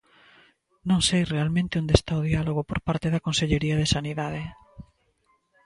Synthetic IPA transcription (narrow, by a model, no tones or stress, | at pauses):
nõŋsejrealmẽnt̪ɪond̪est̪aoðialoɣ̞opoɾpaɾt̪eðakonseʎeɾiaðesaniðað̞e